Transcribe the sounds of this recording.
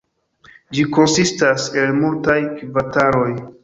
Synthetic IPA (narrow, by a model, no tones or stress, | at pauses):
d͡ʒiko̞nsistase̞lmultajkvataɾo̞j